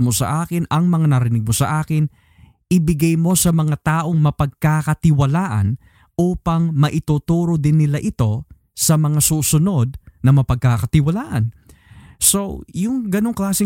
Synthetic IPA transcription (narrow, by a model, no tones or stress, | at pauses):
mo̞sɐ̰ʔaːkɪnɐŋmɐŋanɐɾɪnɪɡ̚mo̞sɐʔaːkɪn | ʔɪbɪɡajmo̞sɐmɐŋat̪aːʔo̞ŋmɐpɐɡ̚kakɐt̪ɪwɐlaːʔɐ̰n | ʔuːpɐŋmɐʔɪt̪uːt̪uːɾod̪ɪnːɪlaʔɪt̪o̞ | sɐmɐŋasuːsʊno̞d̪̚nɐmɐpɐɡ̚kakɐt̪ɪwɐlaːʔɐ̰n | so̞jʊŋɡɐno̞ŋklaːsɪ